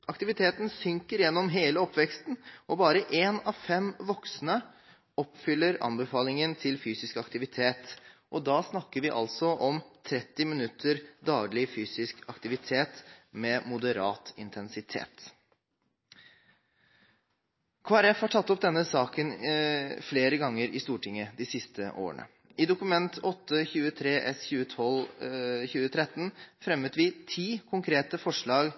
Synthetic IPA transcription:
ʔɑkt̪ɪʋɪt̪ʰeːt̪n̩sʏŋkəɾjɛnːɔmɦeːləɔpːʋɛkst̪nʔɔbɑːɾəʔeːnɑʋfɛmʋɔksnə | ɔpfʏlːəɾɑ̰nbəfɑːlɪŋənt̪ʰɪlfyːsɪskɑkt̪ɪʋɪt̪ʰeːt̪ʔɔd̪ɑːsnɑkːəɾʋɪʔɑ̰lsɔʔɔmt̪ʰɾɛt̪ːɪmɪnʉt̪ʰːəɾd̪ɑːɡlɪfyːsɪskɑkt̪ɪʋɪt̪ʰeːt̪mɛmʊd̪əɾɑ̰ːt̪ɪ̰nt̪ʰɛnsɪt̪ʰḛːt̪ | kʰʋɑːɾɛfhɑʈʰɑt̪ːɔp̚d̪ɛnːəsɑːkən | fleːɾəɡɑŋːəɾɪst̪uːʈʰɪŋːəd̪ɪsɪst̪əʔo̰ːə̰ɳə̰ | ɪd̪ʊkʉmɛnt̪ɔt̪ʰːəçʉːət̪ʰɾeːʔɛsçʉːət̪ʰɔlçʉːət̪ʰɾɛt̪ːn̩fɾɛmət̪ʋɪt̪ʰiːkʰʊŋkʰɾeːt̪əfɔʂɭɑːɡ

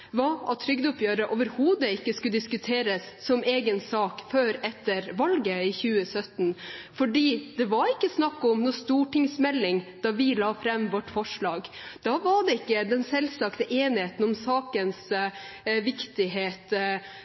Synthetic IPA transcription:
ʋɑːɑ̰t̪ʰːɾʏɡd̪ʊpjøːɾəʔoːʋəɾhuːd̪əɪkːəskʉd̪ɪskʉt̪ʰeːɾəsːɔmeːɡənsɑːkføːɾɛt̪ːəɾʋɑlɡəɪçʉːəsœt̪nfɔɖiːd̪̥ɛʋɑɾɪkːəsnɑkːɔmnuːst̪uːʈɪŋsmɛlːɪŋd̪̥ɑːʋɪlɑːfɾɛmːʋɔʈːfɔʂɭɑːɡd̪̥ɑʋɑɖɛɪkːəd̪ɛnsɛlsɑkt̪əʔeːnɪheːt̪n̩ɔmsɑːkəns | ʋɪkt̪ɪɦeːt̪

